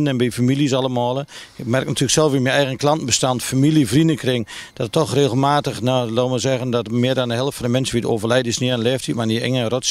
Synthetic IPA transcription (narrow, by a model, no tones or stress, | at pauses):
nɛnbifamilˠjəs̬alˠəmɔːlˠəɪkmɛrɪk̚natʰyəəksɛlˠfimɛɛjɣənklɑntn̩bəstantfamilˠjəvrindəkrɪŋ | d̥ɔtətʰːɔxreːɣəlˠmaːtəxnoloməzɛɣəndɔtmɪədɔndəɦɛləftfɔndəmɛnsəʋitəoːvərlɛjdɪsnianlɛːftʰitmaniɛ̰ŋərots